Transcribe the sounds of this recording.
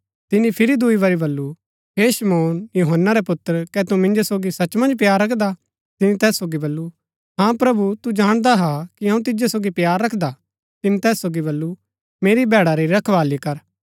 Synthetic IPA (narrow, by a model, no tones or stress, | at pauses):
t̪ɪnĩpʰɪɾid̪uiʋɐɾibɐlːu | ɦeʃɐmoːnjuːɦənːaɾepʊt̪ːəɾkɛt̪umɪ̃nd͡ʒosoːɡisɐt͡ʃmɐ̃nd͡ʒp̬jaːɾːɐkʰd̪a | t̪ɪnĩt̪ɛːsːoːɡibɐlːu | ɦãpɾɐbut̪ud͡ʒaːɽ̃d̪aɦakiɦɐ̃ũt̪ɪd͡ʒesoːɡipjaːɾːɐkʰd̪a | t̪ɪnĩt̪ɛːsːoːɡibɐlːu | meːɾibɛːɽaɾiɾɐkʰʋaːlikɐɾ